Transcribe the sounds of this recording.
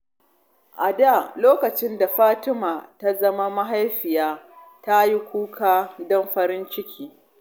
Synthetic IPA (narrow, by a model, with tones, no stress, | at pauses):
ʔa˨da˦˨loː˦kɐ˨t͡ʃɪ˦nda˨ɸaː˦tɪ˦maː˨ta˦zɐ˦ma˦ma˦ɦa˦jɸɪ˨jaː˦ | ta˦ji˦kʷuː˦kʰaː˦dɔ˦mɸɐ˦ɾɪ˦nt͡ʃɪ˦kʲʰiː˦